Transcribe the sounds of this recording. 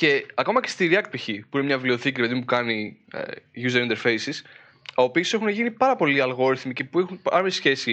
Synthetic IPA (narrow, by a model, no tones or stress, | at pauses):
ce̞ɐko̞mɐce̞st̪iɾiɐkt̪̚piçipuinemɲɐvlio̞θicɾipe̞ðipukɐnḭ | ʝuzeɾint̪e̞ɾfeisis | ɐopise̞xuneʝinipɐɾɐpo̞liɐlɣo̞ɾiθmice̞puexunpɐɾmesçe̞si